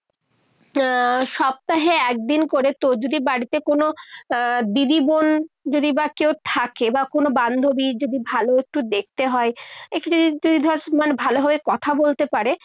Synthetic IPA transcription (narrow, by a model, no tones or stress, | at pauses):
ʃɔb̚t̪aɦeɛk̚d̪inkoɾet̪od͡ʑod̪ibaɽit̪ekono | d̪id̪ibond͡ʑod̪ibakewt̪ʰakebakonoband̪ʱobid͡ʑod̪ibʱaloek̚ʈud̪ek̚ʰt̪eɦɔeekʈud̪od̪id̪ʱɔɾsmanbʱaloɦabekɔt̪ʰabolt̪epaɾe